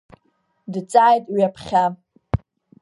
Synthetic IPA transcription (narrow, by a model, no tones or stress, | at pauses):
dt͡sʼaːjtʼwiapʰχʲa